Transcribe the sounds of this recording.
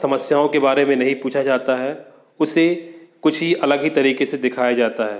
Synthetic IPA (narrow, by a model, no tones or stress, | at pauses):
sɐməsjaːõkebaːɾemẽnɐɦĩpuːt͡ʃʰad͡ʒaːt̪aɦɛ | ʊsekʊt͡ʃʰɦiʔɐləɡɦit̪ɐɾiːkesed̪ɪkʰaːjad͡ʒaːt̪aɦɛː